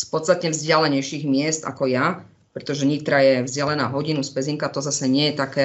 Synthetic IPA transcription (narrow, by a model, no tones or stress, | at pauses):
spɔt̪st̪at̪ɲɛvzɟɪalɛɲɛjʃiːɣmɪɛst̪a̰kɔja | pɾɛt̪ɔʒɛɲiːt̪ɾajɛvzɪalɛnaːɦɔɟinuspɛziŋkat̪ɔzasɛɲɪɛjɛt̪akɛː